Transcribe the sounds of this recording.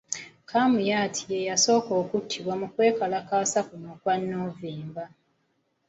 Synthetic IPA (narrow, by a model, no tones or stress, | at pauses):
kʰamujatʰi̥jejaso̞ːko̞ːkutʰːiβwamukwe̞ːkalakaːsafunokwanːoːviːmba